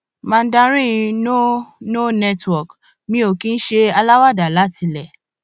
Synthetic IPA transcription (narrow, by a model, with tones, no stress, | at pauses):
mã˦˧n̩˦dã˧ɾ̃ĩ˦ĩ˧no˦no˦nɛ˦twɔ˨k | mĩ˦o˦˨kĩ˦n̩˦ʃe˧a˧la˦wa˦˨da˨la˦tʰi˧lɛ˦˨